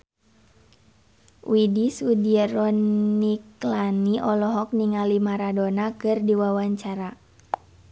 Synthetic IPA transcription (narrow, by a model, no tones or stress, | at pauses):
widisudiɛɾɔiklaniʔɔlɔɦɔk̚niŋalimaɾadonakɨrdiwawaɲt͡ʃaɾa